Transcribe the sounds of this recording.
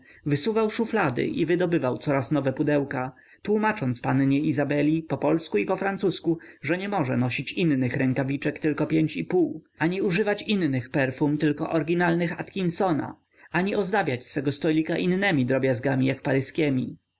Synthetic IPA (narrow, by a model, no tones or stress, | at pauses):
vɘsuvawʂuflad̪ɘ̰ʔivɘd̪ɔbɘvawt̪sɔɾasnɔvɛpud̪ɛwka | t̪wumat͡ʂɔnt̪spanɲɛizabɛlʲipɔpɔlskuipɔfɾansuskuʐɛɲɛmɔʐɛnɔɕit͡ɕinːɘxɾɛŋkavʲit͡ʂɛkt̪ɘlkɔpʲjeɲt͡ɕipuw | aɲiuʐɘvat͡ɕinnɘxpɛɾfumt̪ɘlkɔ̰ʔɔɾɡʲinalnɘxa̰t̪kʲinsɔna̰ | aɲiɔzd̪abʲjat͡ɕsfɛɡɔst̪ɔlʲikaʔinːɛmʲid̪ɾɔbʲjazɡamʲijakpaɾɘskʲɛmʲi